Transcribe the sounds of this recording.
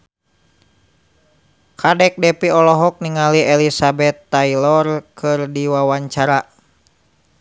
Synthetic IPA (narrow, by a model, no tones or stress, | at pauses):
kʰadɛk̚dɛpiɔlɔɦɔk̚niŋaliʔɛlisabɛt̪ːailɔrkɨrdiwawaɲt͡ʃaɾa